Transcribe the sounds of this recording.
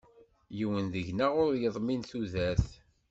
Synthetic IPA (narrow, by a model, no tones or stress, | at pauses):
jiwənðəʝnaʁʊɾjəðˤminθuðæθ